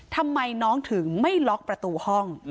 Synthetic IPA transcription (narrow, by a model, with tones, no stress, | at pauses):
t̪ʰa˧mːa˧jnɔː˦˥ŋt̪ʰɯ˩˦ŋma˥˩jlɔ˦˥k̚pɾa˧t̪uː˧hɔ˥˩ŋ